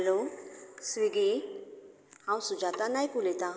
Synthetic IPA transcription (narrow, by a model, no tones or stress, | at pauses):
losʋiɡi | hãwsud͡ʑat̪anajkulɛt̪ã